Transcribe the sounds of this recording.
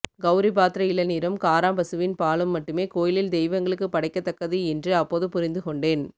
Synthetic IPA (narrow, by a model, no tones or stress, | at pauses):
ɡɐʊɾibaːt̪ɾɐɪlɐniːɾɐmkaːɾaːmbɐsɯʋɪnpaːɭɯmːɐʈːɯmeːkoːjɪlɪld̪ɛɪʋɐŋɡɐɭɯkːɯpɐɽɐɪkːɐt̪ːɐkːɐðiɛndrɯɐpːoːðɯpʊɾɪnd̪ɯkɔɳɖeːn